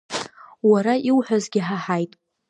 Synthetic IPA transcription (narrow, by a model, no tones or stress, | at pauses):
waɾaiwħʷazɡʲɪħaħajtʼ